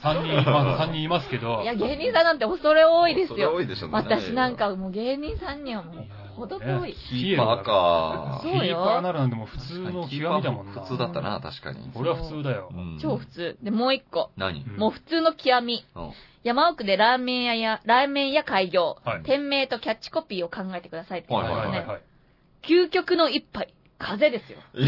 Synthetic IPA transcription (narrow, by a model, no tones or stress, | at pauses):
sãɲɲːĩmasãɲ̟ːĩimasɨ̥ke̞d̪o̞jaɡe̞ːɲ̟ĩɰ̃sãnãnt̪̬ːeoso̞ɾeoːid̪e̞sɨjjoid̪eɕoβat̪aɕinãŋkamoːɡe̞ːɲ̟ĩɰ̃sãɲ̟ːĩɰ̃amo | hod̪okoi | ieasoːiiaɡnaɾɯ̟nãnt̪emoɸɯ̟̥t͡sɨːno̞iamid̪amoɯt͡sɨːd̪at̪ːa̰na̰t̪a̰ɕi̥ka̰ɲ̟ḭkoɾeβaɸɯ̟t͡st͡sɨːd̪ajo̞̰t͡ɕo̞ːɸɯ̟̥t͡sɨːd̪e̞mo̞ːikːo̞na̰ɲḭmo̞ːɸɯ̟̥t͡sɨːno̞kʲʰiβamʲi | jamaokɯ̟d̪e̞ɾamẽɰjajaɾamẽ̞ɰ̃jakaiɡʲo̞ːat̪ẽ̞mːe̞ːt̪o̞kʲat͡ɕːi̥ko̞pʲiːo̞kãŋɡae̞t̪e̞kɯd̪asait̪ːnei | kʲɨːkʲo̞kɯ̟no̞ipːai | kʰaze̞d̪e̞sɨjo̞̰